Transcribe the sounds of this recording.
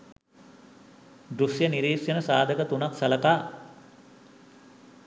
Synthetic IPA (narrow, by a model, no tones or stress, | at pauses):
d̪ɾusjəniɾiːsjənəsaːd̪ʱəkət̪unaksɐləkaː